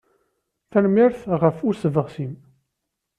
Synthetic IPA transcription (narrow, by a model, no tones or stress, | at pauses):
θælmiɾθʁəfusəvəʁsim